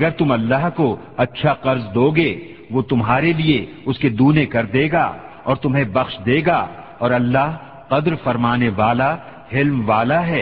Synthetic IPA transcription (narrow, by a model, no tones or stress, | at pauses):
ɐɡəɾt̪ʊmɐlːaɦko | ɐtːʃʰaqɐɾzd̪oːɡeː | ʋot̪ʊmɦaːɾelie | ʊsked̪uːnekɐɾd̪eːɡa̰ː | ɔːɾt̪ʊmɦẽbɐxʃd̪eːɡaː | ɔːɾɐlːaːɦ | qɐd̪ɾfɐɾmaːneʋaːla | hɪlmʋaːlaɦɛː